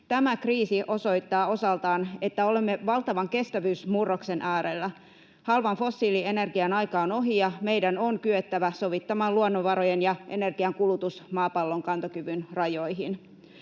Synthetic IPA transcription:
t̪æmækriːsiʔo̞so̞jt̪ːɑːo̞sɑlt̪ɑːne̞t̪ːæo̞le̞mːe̞ʋɑlt̪ɑʋɑŋke̞st̪æʋyːsmurːokse̞nʔæːɾelːæ | hɑlʋɑnfo̞sːiːlie̞ne̞rɡiɑnɑjkɑːono̞ɦijɑme̞jdæno̞ŋkyøt̪ːæʋæso̞ʋit̪ːɑmɑluonːoʋɑɾojenjɑʔe̞̰ne̞rɡiɑŋkulut̪usmɑːpɑlːo̞ŋkɑnt̪okyʋynrɑjo̞jɦin

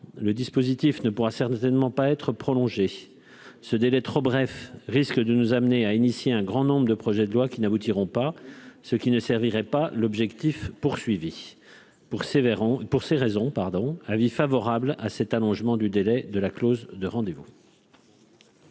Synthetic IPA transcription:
ləd̪ispozit̪ifnəpuʁasɛʁt̪ɛnmɑ̃paɛt̪χəpχɔlɔ̃ʒe | səd̪elɛt̪χobʁɛfʁiskd̪ənuzamneainisjeɛ̃ɡʁɑ̃nɔ̃bʁəd̪əpχɔʒɛd̪əlwakʲinabut̪iʁɔ̃pasəkʲinəsɛʁviʁɛpalɔbʒɛkt̪ifpuʁsɥivi | pspuʁseʁɛzɔ̃paʁd̪ɔ̃avifavɔʁabla̰sɛt̪alɔ̃ʒmɑ̃d̪yd̪elɛd̪əlaklozd̪əʁɑ̃d̪evu

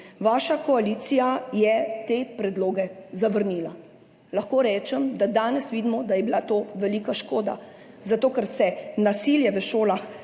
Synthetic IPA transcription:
ʋaːʃakɔaliːt̪sijajɛt̪eːpɾɛd̪loːɡɛzaʋəɾniːla̰ | laxkoːɾɛːt͡ʃɛmd̪ad̪aːnɛsʋiːd̪mɔd̪ajɛbilat̪oːʋɛliːkaʃkoːd̪a̰ | zat̪oːkɛɾsɛnasiljɛʋəʃoːlax

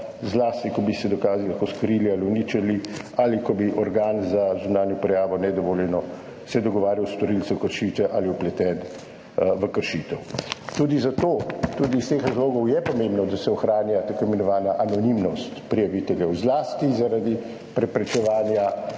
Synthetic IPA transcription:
zlaːst̪ikɔbisɛd̪ɔkaːzilakoskɾilialiunit͡ʃalialikɔbiʔɔɾɡaːnzazunaːnjɔpɾɛjaːʋɔnɛd̪ɔʋoːljɛnɔ | sɛd̪ɔɡɔʋaːɾjawst̪ɔɾilt̪sɛwkəɾʃiːt̪ʋɛʔaliɔplɛt̪ɛn | ʋəkəɾʃiːt̪ɛwt̪uːd̪izat̪oːt̪uːd̪ist̪eːxɾazloːɡɔwjɛpɔmẽmbnɔd̪asɛɔxɾaːnjat̪akojmɛnɔʋaːnjaʔanɔnimnɔst̪pɾijaʋit̪ɛljɛwzlaːst̪izaɾad̪i | pɾɛpɾɛt͡ʃɛʋaːnja

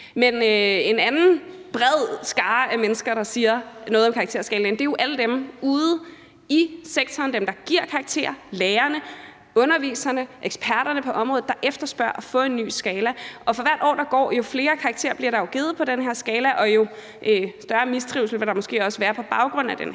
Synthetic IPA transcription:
menøe̝nænn̩b̥ʁɛð̰ˠsɡ̥ɑ̈ːʔæmenəsɡ̥ɐɾ̥ɑ̈siːɐnɔ̽ːð̩ˠmkʰɑ̈ːɡ̥t͡sʰe̝ɐsɡ̥ɛːlen̩d̥e̝æjo̝ʔæləd̥emuːð̩ˠ | iseɡ̥̚t͡sʰɒːnd̥emd̥ɑ̈ɡ̥iɐ̰kʰɑ̈ɑɡ̥̚t͡sʰe̝̰ːɐleːɐnə | ɔ̽nɐʋḭːsɐnəʔeɡ̥spʰæɐɾɐnəpʰɒ̽ʔɒ̽mʁɔ̽ð̩ˠd̥ɑ̈ʔefd̥ɐsb̥ɶɐ̰ɒfɔ̰̽ːe̝nːy̰ːsɡ̥ɛːlæʔɒ̽fɒ̽ʋæɐ̰d̥ɒ̰ːd̥ɑ̈ɡ̥ɒ̰ːjo̝fle̝ːɐkʰɑ̈ɡ̥t͡sʰe̝ːɐb̥liɐɾ̥ɑ̈joɡ̥eð̩ˠpʰɒ̽ɾ̥enɦeɐsɡ̥ɛːlæʔɒ̽jo̝ | ʔøsd̥ɶɐmisd̥ʁiʊlsl̩ʋedɑ̈mɔ̽sɡ̥e̝̰ːɒ̽səʋæːɐpʰɒ̽b̥ɑ̈ʊɡ̥ʁɔ̽n̰̩æd̥ḛn

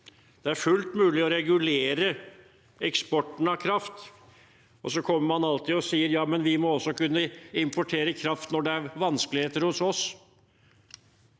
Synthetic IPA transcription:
d̪̥ɛæɾfʉlt̪mʉːlɪɔɾɛɡʉleːɾə | ɛkspɔʈːən̩ɑkʰɾɑft̪ | ɔsɔkʰɔmːəɾmɑnɑlt̪ɪɔsiːəɾjɑːmɛnʋɪmɔɔsːɔkʉnːəɪmpɔʈʰeːɾəkʰɾɑft̪nɔɖɛæɾʋɑnskəlɪheːt̪əɾhʊsɔs

